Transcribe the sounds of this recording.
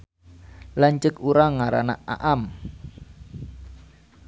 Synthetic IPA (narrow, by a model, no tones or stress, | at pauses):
laɲt͡ʃəkuɾaŋːaɾa̰na̰a̰ʔam